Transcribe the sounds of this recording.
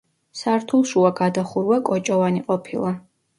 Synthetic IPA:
saɾt̪ʰulˠʃuaɡad̪aχuɾwakʼɔt͡ʃʼɔvaniqʼɔpʰilˠa

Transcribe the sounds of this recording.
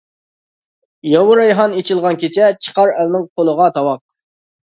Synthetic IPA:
jɑwʊɾɑjɦɑnet͡ʃʰilˠʁɑnkʲʰet͡ʃʰɛt͡ʃʰə̥qɑɾɛlnɪŋqʰolˠəʁɑt̪ʰɑwɑq̚

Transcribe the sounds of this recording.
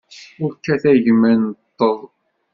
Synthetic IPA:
ʊɾkːæθæʝmænət̪ˤːəðˤ

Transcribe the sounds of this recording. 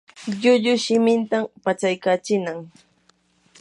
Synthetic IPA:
ʎʊʎʊʃɪmɪnt̪ampat͡ʃajkat͡ʃɪnaŋ

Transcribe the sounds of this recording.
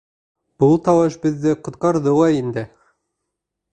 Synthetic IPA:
b̥ulˠt̪ɑwɤʃbɘ̆ðːɘqŏt̪̚qɑɾðɤlˠɑind̪ɘ

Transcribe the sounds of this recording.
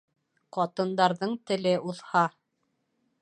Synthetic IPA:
qɑt̪ɤ̆nd̪ɑɾðɤɴt̪ɘ̆lɘʔuðhɑ

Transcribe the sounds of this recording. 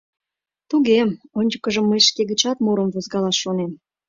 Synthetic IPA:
t̪uɣemonʲd͡ʑəkəʒəmːəjʃkeɣə̆t͡ɕɑt̪muɾəmvozɣɑlɑʃonem

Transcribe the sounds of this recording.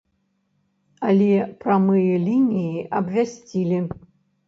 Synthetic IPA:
alʲɛpɾamɨjɛlʲinʲijiɐbvʲasʲt͡sʲilʲi

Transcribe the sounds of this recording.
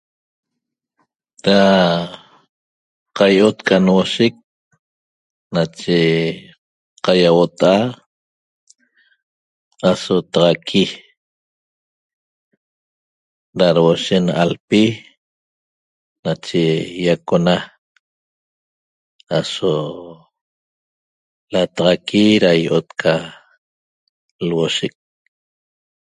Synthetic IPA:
ɾa | qajʔot̪kʰʼanwoʃek̚ | nat͡ʃe | qajawot̪aʔa | asot̪ɑʁɑkʰi | ɾaɾwoʃenalpi | nat͡ʃejakona | aso | lat̪ɑʁɑkʰiɾajʔot̪kʰa | lwoʃek̚

